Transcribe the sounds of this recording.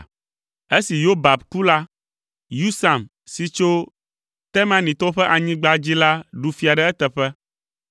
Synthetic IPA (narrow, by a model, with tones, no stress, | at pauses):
e˦si˨jo˦ba˨bku˦la˦ | ju˦sa˨m | si˨t͡ʃo˦ | t̪ɛ˦mã˦nĩ˨t̪ɔ˦ɸɛ˦ʔa˨ɲĩ˦ɡ͡ba˦d͡ʑi˦la˦ɖu˨fi˨a˨ɖɛ˦ɛ˦t̪ɛ˨ɸɛ˦